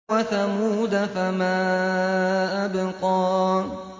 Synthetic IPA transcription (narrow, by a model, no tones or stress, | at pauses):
aθamuːd̪afamaː | abɪqɔː